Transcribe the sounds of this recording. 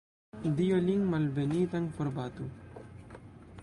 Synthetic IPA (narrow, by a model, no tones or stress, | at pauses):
d̪ioliŋmalbenit̪aŋfoɾbat̪u